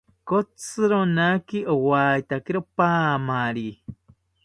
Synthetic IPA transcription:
kot͡sɨɾonakiʔowajt̪akiɾopaːmaɾi

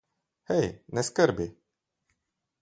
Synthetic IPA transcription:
hɛjnɛskəɾbi

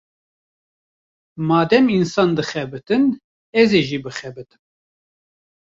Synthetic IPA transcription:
mɑːd̪ɛminsɑːnd̪ɨxɛbɨt̪ɨn | ɛzeːʒiːbɨxɛbɨt̪ɨ̥n

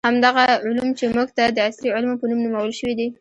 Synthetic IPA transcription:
hamd̪aɣaʕʊlumt͡ʃemuɡt̪ad̪əasliʕɪlmopənumnumawəlʃəwid̪i

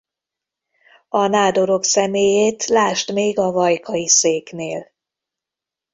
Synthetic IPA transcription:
ɒnaːd̪o̞ɾo̞ksɛmeːjeːt̪laːʃt̪meːɡɒvɒjkʰɒjiseːkneːl

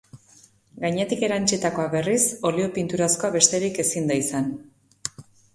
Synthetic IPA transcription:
ɡajɲe̞t̪ike̞ɾant͡ʃit̪ako̞aβe̞riso̞lio̞pint̪uɾasko̞aβe̞st̪e̞ɾike̞sind̪aisan

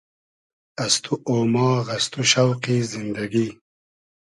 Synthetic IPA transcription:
ɐst̪ʰuʔoːmɑːɣɐst̪uʃawqizɪnd̪aɡi

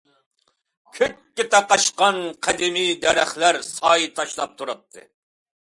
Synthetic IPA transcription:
kʲʰøkʲkʲːɪt̪ʰɑqɑʃqɑnqʰæd̪ɪmijd̪ɛɾæχlæɾsɑːjit̪ʰɑʃlˠɑp̚t̪ʰuɾɑt̪ʰːɨ̰

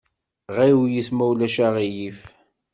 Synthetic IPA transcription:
ʁiwjismæwlæʃaʁijif

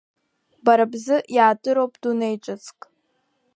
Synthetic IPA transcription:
baɾabzɨjaːtʼɨɾowpʼd̥unejʈ͡ʂʼɨt͡sʰʼkʼ

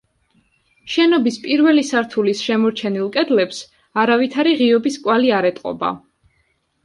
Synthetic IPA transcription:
ʃɛnɔbispʼiɾvɛlisaɾt̪ʰulisʃɛmɔɾt͡ʃʰɛnilˠkʼɛd̪lɛps | aɾavit̪ʰaɾiʁiɔbiskʼwaliaɾɛt̪ʼqʼɔ̰ba̰

